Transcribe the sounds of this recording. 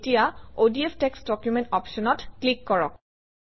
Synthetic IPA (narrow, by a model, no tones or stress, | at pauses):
tijaodiepʰteksdɔkjumentɔpʃɔnɔtklikːɔɹɔ̰k̚